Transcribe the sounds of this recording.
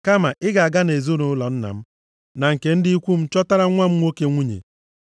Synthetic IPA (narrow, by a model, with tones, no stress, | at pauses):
ka˦ma˨ʔɪ˦ɡa˨a˨ɡa˦ne˨zo˦nʊ˨˦lɔ˨n̩˦na̰˨m̩˦ | na˨ŋ̩˨ke˨n̩˦dɪ˦i˦kʷu˦m̩˦t͡ʃɔ˦ta˦ɾa˦ŋʷa˦m̩˦ŋʷo˦ke˦ŋʷu˦ɲḛ˨